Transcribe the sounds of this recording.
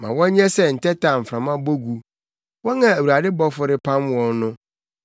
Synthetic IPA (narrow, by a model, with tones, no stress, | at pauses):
mã̰˨wɔ̃˦ɲɛ̃˦sɛ˦n̩˨tɛ˦tʰa˨m̩˨fɾã˨mã˦bo˦ɡu˨ | wɔ̃˦nã˨æ˨wu˨ɾa˨dɪ˦bɔ˦fʊ˦ɾɪ˦pʰã˦mwɔ̃˦nnʊ̃˦